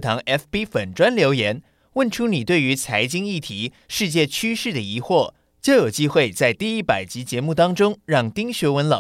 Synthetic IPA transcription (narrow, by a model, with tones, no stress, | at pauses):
t̪ʰɑ˧˥ŋʔɛ˥fpi˥fə˨˩nʈ͡ʂwa˥nljo˧˥ʊjɛ˧˥n | wə˥˩nʈ͡ʂʰu˥ni˨˩t̪we˥˩ɪy˧˥t͡sʰa˧˥ɪt͡ɕi˥ŋi˥˩t̪ʰi˧˥ | ʂɻ̩˥˧t͡ɕjɛ˥˩t͡ɕʰy˥ʂɻ̩˥˩d̪ə˩i˧˥xwɔ˥˩ | t͡ɕjo˥˩ʊjo˨˩ʊt͡ɕi˥xwe˥˧ɪt͡sa˥˧ɪt̪i˥˧i˥˩pa˨˩ɪt͡ɕi˧˥t͡ɕjɛ˧˥mu˥˩t̪ɑ˥ŋʈ͡ʂʊ˥ŋɻɑ˥˩ŋt̪i˥ŋɕɥɛ˧˥wə˧˥nlɑ̰˨˩